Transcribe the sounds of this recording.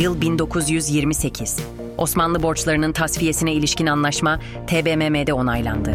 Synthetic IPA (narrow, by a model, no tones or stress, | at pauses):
jɯlˠbind̪o̞kʰuzjyzjiɾmise̞cʰiz̥ | o̞smanlˠɯbo̞ɾt͡ʃlˠaɾɯnɯnt̪ʰasfije̞sinɛilʲiʃcinanlˠaʃma | t̪ʰeːbememed̪ɛo̞najlˠa̰nd̪ɯ